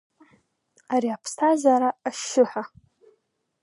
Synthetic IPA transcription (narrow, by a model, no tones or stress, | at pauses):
aɾiapʰstʰazaɾaːʃɪħʷa